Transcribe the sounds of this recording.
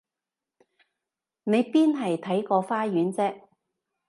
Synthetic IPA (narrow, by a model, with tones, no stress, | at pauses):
ne˨˧jpiː˥nɦɐ˨jt̪ʰɐ˨˥jkɔː˧faː˥jyː˨˥nt͡sɛː˥k̚